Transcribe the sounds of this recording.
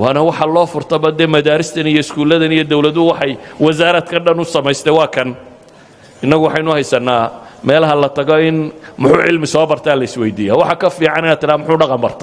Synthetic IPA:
wɑːnɐwɑħɑlɔːfʊrt̪ʰɐbɐd̪ɛmɐðaːɾɪst̪ʰɐnijɔɪskʰuːlɐðɐnijɔd̪ɔwlɐðʊwɑħɑjwɐzaːɾɐd̪kʰɐɖɐnʊsɐmɛjst̪ʰɛwɑːkʰɐn | ɪnːɐɣʊwɑħɑjnʊhɛjsɐnːaːmɛːlɐɦɐlɐt̪ʰɐɣɔɪnmʊħuːʕɪ̰lmɪsɔːbɐrt̪ʰaːlɐɪswɛjd̪iːjawɑħɑkʰɐfiːʕɑnɪnaːd̪t̪ʰɪɾaːmʊħuːɖɑqɑmbɐrt̪ʰɐ̥

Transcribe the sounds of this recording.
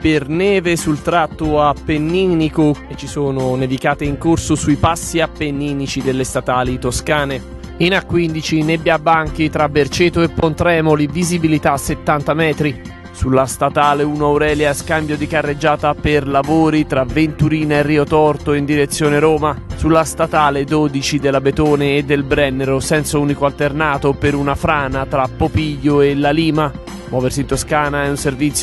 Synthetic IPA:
pernɛːvesult̪ɾat̪ːoapːenːinikoet͡ʃːisoːnʊnevikaːt̪eiŋkorsosuipasːiapːenːinit͡ʃid̪elːest̪at̪aːlit̪oskaːne | inakːwind̪it͡ʃinebːjabːaŋk̟it̪ɾabert͡ʃeːt̪oepːont̪ɾɛːmolivizibilit̪asːet̪ːant̪amɛːt̪ɾi | sulːast̪at̪aːleunoawɾɛːljaskambjod̪ikarːed͡ʒːaːt̪aperlavoːɾit̪ɾavent̪uɾiːnaerːiːot̪ɔrt̪oind̪iɾet̪sːjoːneɾoːmasulːast̪at̪aːled̪oːd̪it͡ʃid̪elːabet̪oːneːd̪ːelbɾɛnːeɾosɛnt̪sauːnikoalt̪ernaːt̪opeɾunafɾaːnat̪ɾapːopiʎːoelaliːma | mwɔːversiːnt̪oskaːnaɛunservit̪sjo

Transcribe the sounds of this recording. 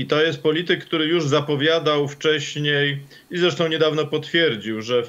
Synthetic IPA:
it̪ɔjɛst̪̚pɔlʲit̪ɘkːt̪uɾɘjuʐzapɔvʲjad̪awft͡ʂɛɕɲej | izɾɛʂt̪ɔw̃ɲɛd̪avnɔpɔt̪fʲjɛɾd͡ʑiwʐɛ

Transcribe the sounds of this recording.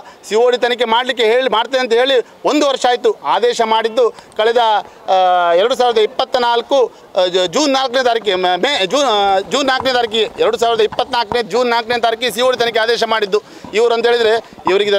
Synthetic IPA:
siʋoːɽit̪ɐnɐk̬ːe̞maːɽlik̬ːeɦeːɭimaːɽt̪iðeɐnt̪̬ɐɦe̞ːɭi | o̞nd̪uʋɐɾʂɐaːjit̪uaːd̪ɛːʃɐmaːɽid̪ːukɐɭɛd̪ɐ | ɛɾɐɽus̬aːʋiɾɐd̪ɐipːɐt̪ːɐnaːlku | d͡ʒuːnːaːlkneːd̪aɾikːemed͡ʒuːd͡ʒuːnːaːkneːd̪aːɾik̬ːijeɛɾɐɽus̬aːʋiɾɐd̪ɐipːɐt̪ːnaːlkned̪d͡ʒuːnːaːlkneːt̪aːɾik̬ːisiʋoːɽit̪̬ɐnɐk̬eaːd̪ɛːʃɐmaːɽid̪ːu | iʋɐɾɐnd̪eːɭid̪ɾe̞ | iʋɐɾiɡed̪ɐ

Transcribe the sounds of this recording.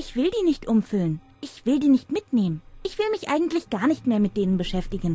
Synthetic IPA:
ʔɪçv̥ɪldiːnɪçtʔʊmfʏlən | ʔɪçv̥ɪldiːnɪçtmɪtneːmənʔɪçv̥ɪlmɪçʔa̰ɪɡŋ̩tlɪçɡ̥aːɐnɪçtmeːɐmɪt̚d̥eːnənbəʃɛftɪɡn̩

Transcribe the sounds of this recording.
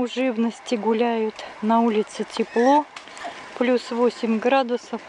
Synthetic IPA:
ʊʐɨvnəsʲtʲɪɡʊlʲæjʊt̪nɐulʲɪt̪sɨtʲɪplˠo | plʲusvosʲɪmʲɡɾad̪ʊsəf

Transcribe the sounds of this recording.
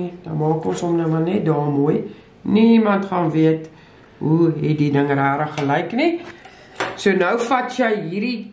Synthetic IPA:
dɑmɑːkɔnsɔmnəmɐnɛt̚dɑːmuəj | niimɐntχɑːnviət | ɦuɦɛt̚didəŋræːɾəχːəlɛjkni | suənœwfɐtjəjɦiːɾi

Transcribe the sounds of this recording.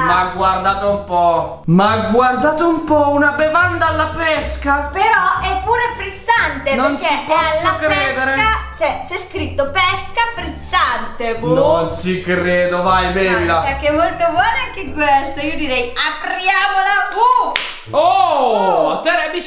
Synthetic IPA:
maɡward̪aːt̪oumpɔ | maɡward̪aːt̪oumpɔunabevand̪alːapɛskapeɾɔɛpːuːɾefɾit̪sːant̪enoenseipɔalːakɾɛːsd̪eɾekat͡ʃɛt͡ʃɛskɾit̪ːopɛskafɾit̪sːant̪epunonsikɾeːd̪ovajbevilaɛkːɛmːolt̪obwɔnɛkːeɡwɛst̪oiod̪iɾɛjapɾjaːmodavu | o | t̪eɾɛbi

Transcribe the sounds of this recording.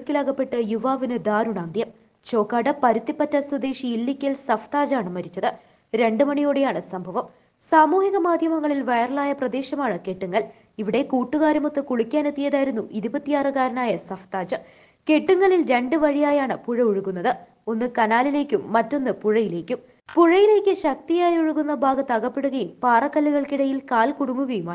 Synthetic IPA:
kːilaːɣɐpːe̞ʈːɨjuʋaːʋinɨd̪aːɾuɳaːnd̪ʱjɐm | t͡ɕo̞ːkːaːɖɐpɐɾut̪ːipːɐtːɐswɐd̪e̞ːɕiːlːikʲːɐlsɐft̪aːd͡ʑaːɳɨmɐɾit͡ɕːɐðɨ | ɾe̞ɳɖɨmɐɳijoːɽejaːɳɨsɐmbʱɐʋɐm | saːmuːhiɣɐmaːd̪ʱjɐmɐŋːɐɭilʋejɐrɐɭaːjɐprɐd̪e̞ːɕɐmaːɳɨke̞ʈːuŋːɐɭ | iʋiɽe̞kuːʈːuɣaːɾɐmot̪ːɨkuɭukʲːaːne̞t̪ːijɐðaːjiɾunːuʔiɾubɐt̪ːijaːrɨkaːɾɐnaːjɐsɐft̪aːd͡ʑɨ | ke̞ʈːuŋːɐɭilɾe̞ɳɖɨʋɐɻijaːjaːɳɨpuɻɐuɻuɣunːɐðɨ | o̞nːɨkɐnaːlile̞ːkʲːumːɐtːo̞nːɨpuɻɐjile̞ːkʲːum | puɻɐjile̞ːkʲːɨɕɐk̚t̪ijaːjoɻuɣunːɐbʱaːɡɐt̪ːɐɣɐpːe̞ɽuɣɐjumpaːrɐkːɐlːuɣɐɭkiɽɐjilkaːlkuɽuŋːuɣɐjumaː

